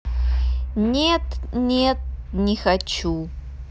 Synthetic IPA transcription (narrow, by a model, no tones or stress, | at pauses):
nʲet̪nʲet̪̚nʲɪxɐt͡ɕu